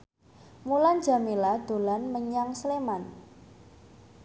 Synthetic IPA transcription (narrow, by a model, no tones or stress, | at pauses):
muland͡ʒa̤milad̪̥o̤lanməɲaŋsleman